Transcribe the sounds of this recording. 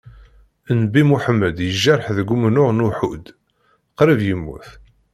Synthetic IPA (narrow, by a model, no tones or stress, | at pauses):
ənbimuħəmːəd̪jəʒːəɾˤħðəɡʷːumnʊʁnuħud̪ | qɾəvjəmːṵθ